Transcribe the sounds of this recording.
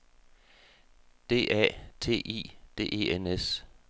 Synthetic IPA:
d̥e̝̰ːʔæ̰ːt͡sʰe̝̰ːʔḭːd̥e̝̰ːe̝̰ːenes

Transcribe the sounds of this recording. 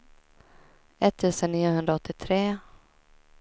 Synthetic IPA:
ɛt̪ʰːəsəniːʊhɵnd̪ɾaɔt̪ːɪt̪ʰɾeː

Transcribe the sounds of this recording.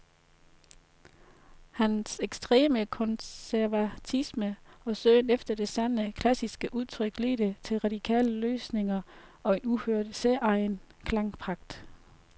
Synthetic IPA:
hænseɡ̥sd̥ʁḛːməkʰɔnsæɐʋæt͡sʰisməɒ̽søːnefd̥ɐd̥e̝sænəkʰlæsisɡ̥əʔuð̞ˠt͡sʰʁœɡ̥lḛːɾ̥ət͡sʰe̝lʁɑ̈d̥ikʰɛ̰ːləløːsne̝ŋɐɒ̽e̝nuhøɐ̰d̥seʔɑ̈ɪnkʰlɑ̈ŋpʰʁɑ̈ɡ̥̚d̥

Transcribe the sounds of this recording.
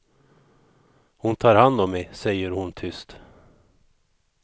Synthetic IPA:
hʊnt̪ʰɑːɾhand̪ɔmːɛsɛjːəɾhʊnt̪ʰʏst̪

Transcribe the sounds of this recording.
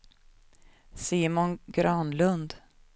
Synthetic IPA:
siːmʊnɡɾɑnlɵnd̪

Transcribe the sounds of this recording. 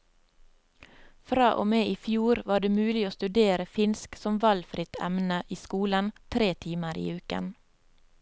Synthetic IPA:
fɾɑːʔo̰ːmeːʔiːfjuːɾʋɑːɖeːmʉːlɪoːst̪ʉd̪eːɾəfɪnsksɔmʋɑlfɾɪt̪ʰɛ̰mnəʔiːskuːlənt̪ʰɾeːt̪ʰiːməɾḭːʉːkə̰n

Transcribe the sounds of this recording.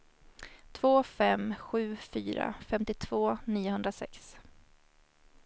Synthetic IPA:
t̪ʰvoːfɛmɧʉ̟ːfyːɾa̰fɛmt̪ɪt̪ʰv̥oːniːʊhɵnd̪ɾasɛ̰ks

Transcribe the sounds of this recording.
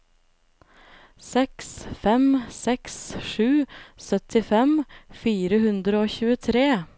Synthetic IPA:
sɛksfɛmsɛksʂʉːsœt̪ʰɪfɛmfiːɾəhʉnd̪ɾəoːçʉːət̪ʰɾeː

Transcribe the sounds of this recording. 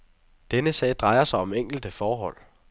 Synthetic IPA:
d̥enəsɛ̰ːɪd̥ʁɑ̈ɪɐsɑ̈ɪɒ̽meŋ̰ɡ̥l̩d̥əfɒːɦɒ̽l̰

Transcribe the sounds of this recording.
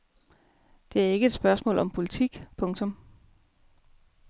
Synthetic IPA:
d̥e̝æɐe̝ɡ̥əe̝d̥sb̥ɶɐsmɔ̰ːlʔɒ̽mpʰo̝lit͡sʰiɡ̥pʰɔ̽ŋt͡sʰɔ̽m

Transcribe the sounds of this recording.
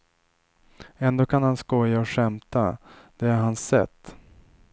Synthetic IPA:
ɛnd̪oːkʰanhanskɔjːaɔɧɛmt̪ad̪̥ɛæɾɦansɛ̰t̪ː

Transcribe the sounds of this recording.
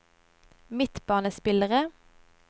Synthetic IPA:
mɪt̪b̥ɑːnəspɪləʁə

